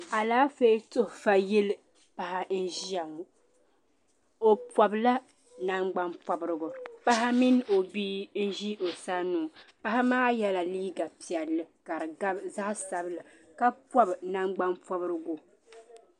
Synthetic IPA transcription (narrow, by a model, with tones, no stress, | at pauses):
a˨laː˦fe˦tʊ˦hfa˨jɛ˦l | pa˨ɦa˦n̩˦ʒi˦a˨m˨ | o˦˨pɔ˨bla˦ | na˦ŋ͡mɡ͡ba˦npɔ˦bɾɨ˦ɡʊ˨pa˦ɦa˦mi˦n˦o˨biː˦n̩˦ʒi˦ʔo˨sa˦nuː˦˨pa˦ɦa˦maː˦jɛ˦la˨liː˦ɡa˨pi˨ɛ˨lːɨ˨ka˨ɾɨ˨ɡa˦bza˦ʔsa˨bɨ˦la˨ | ka˦pwɔ˦bna˦ŋ͡mɡ͡ba˦npɔ˦bɨ˦ɾɨ˦ɡʊ˦